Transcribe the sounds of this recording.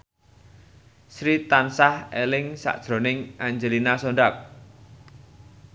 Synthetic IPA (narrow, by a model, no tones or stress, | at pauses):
sɾit̪ansahelɪŋsa̰ʔd̥ʒ̥ɾo̤nɪŋʔaɲd͡ʒəlinasoɳɖap̚